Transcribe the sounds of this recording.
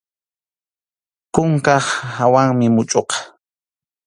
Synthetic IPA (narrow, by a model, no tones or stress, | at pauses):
kʊŋkɑχawaŋmɪmʊt͡ʃʼoqɑ̥